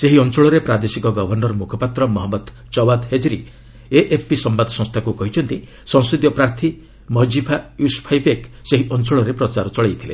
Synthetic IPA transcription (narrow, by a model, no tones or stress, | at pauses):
seɦiɔnt͡ʃɔɭɔɾepɾad̪esikɔɡɔbʱɔɾnɔɾɔmukʰɔpat̪ɾɔmɔɦɔbɔd̪ | t͡ʃɔbad̪ɦed͡ʒɾi | eʔepʰpisɔmbad̪ɔsɔ̃ŋ̃st̪ʰakukɔɦit͡ʃʰɔnt̪i | sɔ̃ŋsid̪jɔpɾaɾt̪ʰi | mɔd͡ʒipʰajuspʰajbekseɦiʔɔnt͡ʃɔɭɔɾepɾɔt͡ʃaɾɔt͡ʃɔɭejt̪ʰilḛ